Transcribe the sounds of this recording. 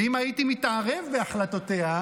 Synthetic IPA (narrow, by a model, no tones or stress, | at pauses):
imaitimit̪aʁevbeaχlat̪ot̪ea